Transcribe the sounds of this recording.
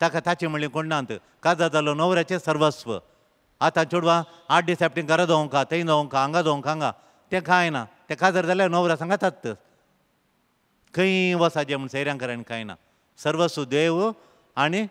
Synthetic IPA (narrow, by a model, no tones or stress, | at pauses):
t̪akat̪at͡ɕiməɭiŋkoɳɖnãnt̪ɨ̰ | kad͡zəɾd͡zalonoʋɾjat͡ɕesəɾʋəsʋə̰ | at̪ãnt͡ʃuɽʋã | aɖisɛp̚ʈĩŋɡɐɾad̪õŋkat̪əĩnd̪oŋkaːŋɡad̪oŋkãŋɡa | t̪ẽkãjnat̪ẽkad͡zəɾd͡zalanoʋɾasãŋɡat̪aːə | kəĩʋɔsad͡ʑem̤əɳsəjɾjãŋkəɾanikajna̰ | səɾʋəsʋəd̪eʋu | ani